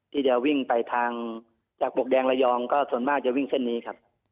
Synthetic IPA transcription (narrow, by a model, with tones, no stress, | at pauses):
t̪ʰiː˥˩dɛː˧wwi˥˩ŋpa˧jt̪ʰaː˧ŋ | t͡ɕaː˨˩k̚bo˨˩k̚dɛː˧ŋla˧jɔː˧ŋkɔː˥˩su˨˩˦ənmaː˥˩k̚t͡ɕa˨˩ʔwi˥˩ŋsʰe˥˩˨nːiː˦˥kʰa˦˥p̚